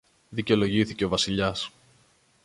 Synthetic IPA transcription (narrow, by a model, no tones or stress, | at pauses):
ðiceolo̞ʝiθiceovɐsiʎɐs